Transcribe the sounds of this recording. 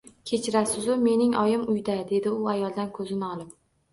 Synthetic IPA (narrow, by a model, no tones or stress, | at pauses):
kʲʰe̞t͡ʃʰɪɾasɪzʊme̞nɪŋɒjɪmʊjd̪ad̪e̞d̪ɪʊajɒlˠd̪ankʰɵzɪnɪɒlˠɪp̚